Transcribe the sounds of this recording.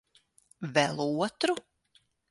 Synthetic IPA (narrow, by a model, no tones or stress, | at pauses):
vɛlˠuɔt̪ɾu